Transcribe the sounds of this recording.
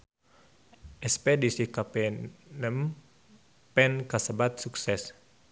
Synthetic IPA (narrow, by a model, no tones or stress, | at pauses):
ʔɛspedisikapenəm | pɛnkasəbat̪̚suksɛs